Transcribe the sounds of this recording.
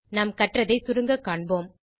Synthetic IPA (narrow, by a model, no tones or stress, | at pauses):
nɐmkɐʈrɐðɐɪsʊɾɯŋɡɐkːaːɳboːm